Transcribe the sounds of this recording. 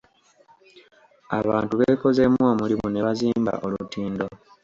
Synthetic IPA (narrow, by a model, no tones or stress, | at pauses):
aβaːntuβeko̞zemwoːmulimune̞βaziːmba̰ʔo̞lutiːndo̞